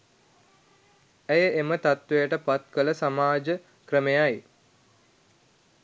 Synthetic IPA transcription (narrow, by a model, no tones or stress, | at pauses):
æjəʔemət̪at̪ʋejəʈəpat̪kələsamaːd͡ʒə | krəmejaj